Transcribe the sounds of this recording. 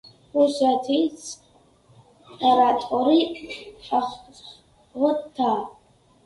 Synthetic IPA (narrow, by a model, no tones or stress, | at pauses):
uʃʷatʰejt͡sʰ | aɾatʼaɾi | aχ | ʁətʰːa